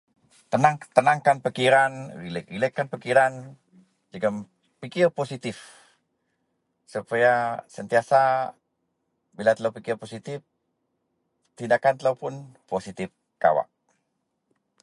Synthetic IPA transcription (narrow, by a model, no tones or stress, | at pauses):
t̪ənaŋt̪ənaŋkanpəkiɾanɾilɾiləkːanpəkiɾan | d͡ʒəɡam | pikɪrposit̪ɪf | supajasənt̪iasa | bilat̪əlawpikirposit̪ɪf | t̪indakant̪əlawpʊnposit̪ɪf | ka̰wa̰ʔ̚